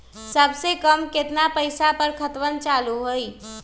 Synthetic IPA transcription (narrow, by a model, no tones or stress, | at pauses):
səbsekəmket̪napəɪsapəɾkʰət̪ʋənt͡ʃaluɦoj